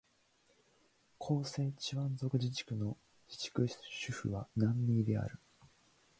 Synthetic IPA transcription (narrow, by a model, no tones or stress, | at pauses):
kʰo̞ːse̞ːt͡ɕiβãnzo̞kɯ̟ʑit͡ɕi̥kɯ̟no̞ | d͡ʑi̥t͡ɕi̥kɯ̟ɕɨɸɯ̟̰βanãmːʲiːd̪e̞a̰ɾɯ̟